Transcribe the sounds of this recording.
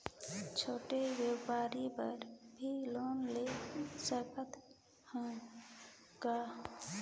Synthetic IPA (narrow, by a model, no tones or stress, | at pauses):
t͡ʃʰoʈeʋjepaɾibə̰ɾbʱilonlesəkət̪ | hə̃ | ɡa